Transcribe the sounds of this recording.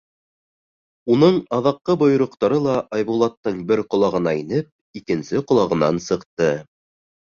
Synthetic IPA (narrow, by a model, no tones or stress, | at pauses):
unɤɴɑðɑqːɤbŏjŏɾŏqt̪ɑɾɤlˠɑʔɑjβulˠɑt̪ːɤɴbɘɾqŏlˠɑʁɤ̆nɑinɘp̚ | ikɘ̆nsɘqŏlˠɑʁɤ̆nɑnsɤ̆qt̪ɤ